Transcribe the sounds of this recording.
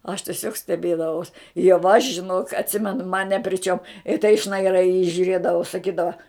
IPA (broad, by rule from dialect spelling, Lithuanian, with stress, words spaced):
ɐʃ tʲiɛˈsʲoːk sʲtʲɛˈbʲeːdɐʋɐʊs jɛʊ ɐʃ ʒʲɪˈnoːk ɐtʲˈsʲɪmʲɛnʊ mɐn nʲɛ pʲrʲɪ ˈt͡ʃʲoːm ɪ tɐɪ ʃnɐɪˈrɐɪ ɪ jiː ʒʲʊˈrʲeːdɐʋɐʊ sɐˈkʲiːdɐʋɐ